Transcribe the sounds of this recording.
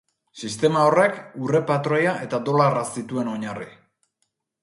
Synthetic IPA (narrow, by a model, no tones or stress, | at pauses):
sist̪e̞mao̞re̞kure̞pat̪ɾojaʔe̞t̪ad̪o̞larasit̪ue̞no̞ɲarḭ